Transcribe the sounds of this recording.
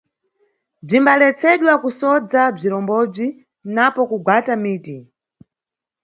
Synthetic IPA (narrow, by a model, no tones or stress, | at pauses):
b͡ʐimbalɛt͡sʰɛɗwakusɔd͡zab͡ʐiɾɔmbɔb͡ʐi | napɔkuɡwatamiːti